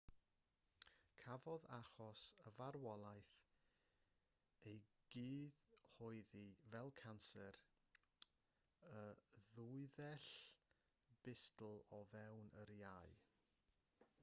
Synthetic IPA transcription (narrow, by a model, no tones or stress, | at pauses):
kʰavɔðaχɔsəvarwɔlˠajθ | ejɡ̥iːðhɔɨðivɛlˠkʰansɛɾ | əðuɨðɛɬ | b̥ɪstl̩ˠɔvɛwnəɾjaɨ